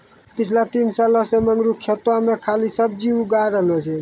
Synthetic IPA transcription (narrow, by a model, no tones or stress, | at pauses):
pit͡ʃʰlat̪insaləseməŋɡɾukʰet̪wamekʰalisəb̚d͡ʒiuɡaɾəɦlɛt͡ʃʰɛ